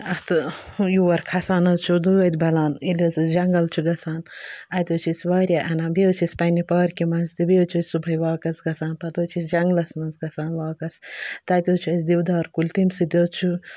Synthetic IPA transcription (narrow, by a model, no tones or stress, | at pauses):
ɐht̪ɨjuːʋɐɾkʰɐsaːnɐzt͡ʃʰud̪uɐd̪ʲbɐlaːnilʲɐzɨd͡ʒɐŋɡɐlt͡ʃʰuɡɐsaːnɐt̪ʲoːt͡ʃʰisʋaːɾʲjaʔɐnãːnbiot͡ʃʰisʲpɐnipaːɾkimɐnzt̪ibiot͡ʃʰɐːsʲsubʱɐjʋaːkɐsɡɐsaːnpɐt̪oːt͡ʃʰisd͡ʒɐŋɡlɐsmɐnzɡɐsaːnʋaːkɐst̪ɐt̪ʲoːt͡ʃʰuɐsʲd̪iwd̪aːɾkulʲt̪imsɨd̪ʲot͡ʃʰu